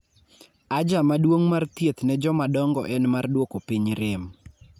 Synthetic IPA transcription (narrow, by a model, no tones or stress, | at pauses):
ad͡ʒamadwoŋmart̪jet̪nɛd͡ʒɔmadɔŋɡɔ̰ʔɛnmardwokopiɲɾɪm